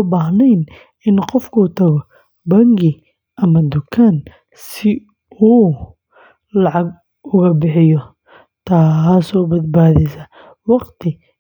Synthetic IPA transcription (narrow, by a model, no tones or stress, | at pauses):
baːɦnɛjn | ɪnqɔfkʰuːt̪ʰɐɣɔ | bɐŋɡɪ | ʔɐmɐd̪ʊkʰaːn | sɪ | uː | lɑʕɑɡ | ʊɣɐbɪħɪjɔ | t̪ʰaːsɔːbɐd̪̚baːðɛjsɐ | wɑqt̪ʰɪ